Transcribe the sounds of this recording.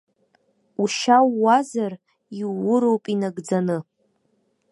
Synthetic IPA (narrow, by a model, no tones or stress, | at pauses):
uʃawːazar | iːʊɾowpʼinaɡd͡zanɨ